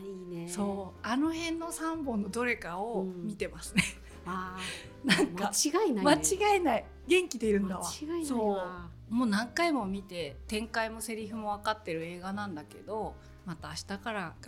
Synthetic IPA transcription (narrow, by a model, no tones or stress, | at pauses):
iso̞ːano̞hẽ̞nːo̞sãmbõ̞nːo̞d̪o̞ɾe̞kao̞mʲit̪e̞masɨne̞ | nãŋkaiɡainmat͡ɕiɡaenai | ɡẽ̞ŋkʲid̪e̞iɾɯ̟̃nd̪aβaɡasso̞ː | mo̞ːnãŋkaimo̞mʲit̪e̞t̪ẽ̞ŋkaimo̞se̞ɾʲiɸɯ̟mo̞β̞akat̪ːe̞ɾɯ̟e̞ːɡanãnd̪ake̞̰d̪o̞ | mat̪aːɕi̥t̪akaɾaɡ